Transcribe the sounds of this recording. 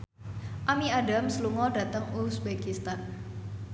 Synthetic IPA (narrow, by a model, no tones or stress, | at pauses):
ʔamiadamsluŋɔdä̤t̪əŋusbekist̪an